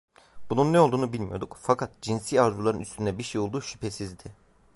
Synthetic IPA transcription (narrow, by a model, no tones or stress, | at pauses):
bununːɛo̞lˠd̪uːnubilʲmijo̞d̪ukfakʰat̪d͡ʒinsiːaɾzulˠaɾɯnyst̪ʰynd̪ɛbiɾʃejo̞lˠd̪uːʃy̥pʰesizd̪ɪ